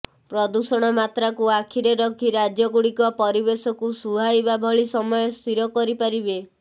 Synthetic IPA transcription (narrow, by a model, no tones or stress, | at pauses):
pɾɔd̪usɔɽ̃ɔmat̪ɾakuakʰiɾeɾɔkʰiɾad͡ʒjɔɡuɽikɔpɔɾibesɔkusuɦajbabʱɔɭisɔmɔjɔst̪ʰiɾɔkɔɾipaɾibe